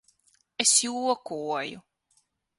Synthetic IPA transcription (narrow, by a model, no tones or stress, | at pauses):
esjuɔkuɔjʊ̰